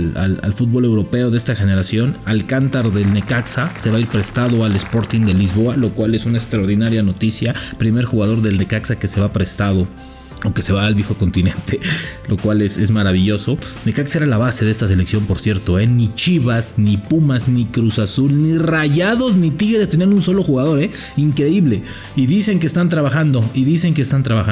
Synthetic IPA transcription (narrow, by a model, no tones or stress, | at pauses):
la̰la̰lfut̪̚bo̞le̞wɾo̞pe̞o̞ðe̞st̪axe̞ne̞ɾasjo̞nalkant̪aɾðe̞lne̞kaksase̞βaiɾpɾe̞st̪aðo̞ale̞spo̞ɾt̪ind̪e̞lizβo̞alo̞kwale̞sunaekst̪ɾaoɾðinaɾjano̞t̪isjapɾime̞ɾxuɣað̞o̞ɾðe̞lne̞kaksake̞se̞βapɾe̞st̪að̞o̞ | oke̞se̞βaːlβjexo̞ko̞nt̪inẽ̞nt̪e̞lo̞kwale̞se̞zmaɾaβiʝo̞so̞nekaksaeɾalaβase̞ðe̞st̪as̬e̞le̞ksjo̞mpo̞ɾsje̞ɾt̪o̞e̞nit͡ʃiβaznipumaznikɾusasulniraʝaðo̞znit̪iɣe̞ɾest̪e̞nianunso̞lo̞xuɣaðo̞ɾe̞ | iŋkɾe̞iβle̞ | iðise̞ŋk̬eːst̪ant̪ɾaβaxand̪o̞iðise̞ŋk̬est̪ant̪ɾaβaxa